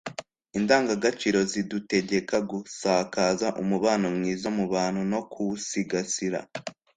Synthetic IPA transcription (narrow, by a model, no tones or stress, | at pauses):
indaːŋɡaɡat͡ʃiɾo̞zidute̞ɟe̞kaɡusaːkaːzaʔumuβaːnomŋiːzamuβaːn̥huno̞kʰusiɡasiɾa̰